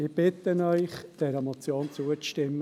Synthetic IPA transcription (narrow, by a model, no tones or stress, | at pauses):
ɪb̥ɪt̪ənœʏχd̥ɛɾəmɔt͡sjoːnt͡suət͡stɪmː